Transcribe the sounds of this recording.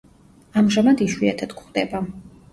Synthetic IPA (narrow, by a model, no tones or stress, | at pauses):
amʒamad̪iʃwiat̪ʰad̪̥kχd̪ɛba